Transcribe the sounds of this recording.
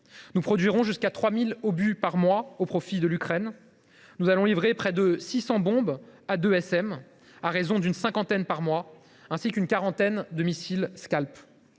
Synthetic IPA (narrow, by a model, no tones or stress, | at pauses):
nupχɔd̪ɥiʁɔ̃ʒyskat̪χwamilobypaʁmwaopχɔfid̪əlykχɛn | nuzalɔ̃livʁepχɛd̪əsisɑ̃bɔ̃bad̪øɛsɛm | aʁezɔ̃d̪ynsɛ̃kɑ̃t̪ɛnpaʁmwa | ɛ̃sikynkaʁɑ̃t̪ɛnd̪əmisilskʲalp